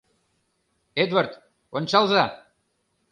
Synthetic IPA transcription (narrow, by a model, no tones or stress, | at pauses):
ed̪wart̪ | onʲt͡ɕɑlˠzɑ